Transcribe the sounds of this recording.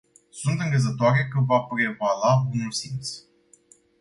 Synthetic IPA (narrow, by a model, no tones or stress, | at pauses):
sunt̪ɨŋɡəzət̪oaɾe̞kəvapɾe̞valabunulsint̪s